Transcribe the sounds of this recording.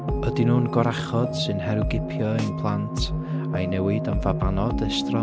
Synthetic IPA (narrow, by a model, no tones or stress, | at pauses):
ədinuːnɡɔɾaχɔd̥sɨnhɛɾɨɡɪpʰjɔɪnpʰlˠantʰ | ainɛwɨdamvabanɔdɛstrɔ